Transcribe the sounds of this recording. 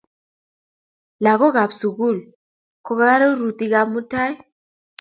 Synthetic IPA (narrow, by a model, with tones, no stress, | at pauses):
la˨kɔ˦ka˨bsu˨ɣu˦˨l | kɔ˨ka˦a˦ɾɛ˦u˦ɾu˨t̪i˦ka˦mu˦ta˦j